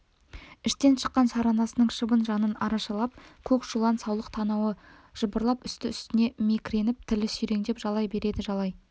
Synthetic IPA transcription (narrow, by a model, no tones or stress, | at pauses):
ɪʃt̪e̞nʃə̥qːɑnsɑɾɑnɑsənəɴʃəbənʒɑnənɑɾɑʃɑlˠɑp̚kʲʰɵkʒulˠɑnsɑwlˠəq̚t̪ʰɑnɑwə | ʒ̥əbəɾlˠɑpʏst̪ɪʏst̪ɪne̞mekʲɾe̞nɪp̚t̪ʰɪlɪsʏjɾe̞ŋd̪e̞pʒɑlˠɑjbe̞ɾe̞d̪ɪʒɑlˠɑj